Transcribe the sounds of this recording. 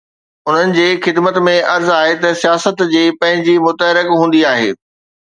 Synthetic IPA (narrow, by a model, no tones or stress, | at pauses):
ʊn̤ənɪ̆d͡ʑeːxɪd̪mət̪mẽʔɐɾzaːɦet̪ɐsijaːsət̪d͡ʑiːpɐ̃ɦɪ̃ɲd͡ʑimʊt̪əɦɪɾɪkɦũːnd̪iaːɦḛː